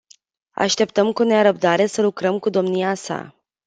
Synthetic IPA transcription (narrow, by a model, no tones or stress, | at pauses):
a̰ʃt̪e̞pt̪əmkuneaɾəb̚d̪aɾe̞səlukɾəmkud̪o̞mniasa̰